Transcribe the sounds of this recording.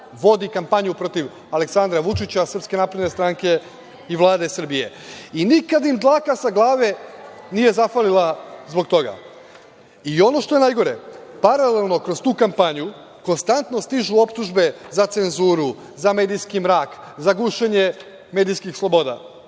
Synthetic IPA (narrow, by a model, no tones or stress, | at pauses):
ʋo̞d̪ikampaɲupɾo̞t̪iʋ | ale̞ksand̪ɾaʋut͡ʃit͡ɕasr̩pske̞naːpɾed̪ne̞st̪ɾaŋke̞ | iʋlˠaːd̪e̞sr̩bije̞̰inikad̪imd̪lˠaːkasaɡlˠaːʋe̞ | nije̞zaxʋalilˠazbo̞k̚t̪o̞ɡa̰ | io̞no̞ʃt̪o̞je̞najɡo̞ɾe̞paɾalelˠno̞kɾo̞st̪uːkampaɲu | ko̞nst̪ant̪no̞st̪iʒuo̞pt̪uʒbe̞zat̪senzuːɾu | zame̞ːd̪ijskimɾaːk | zaɡuːʃeɲe̞ | me̞ːd̪ijskixslˠo̞bo̞ːd̪a̰